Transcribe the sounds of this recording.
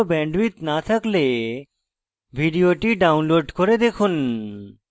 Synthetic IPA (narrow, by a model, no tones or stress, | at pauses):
obɛɳɖwit̪nat̪ʰakle | bʱiɖioʈiɖawnloɖkoɾed̪ekʰun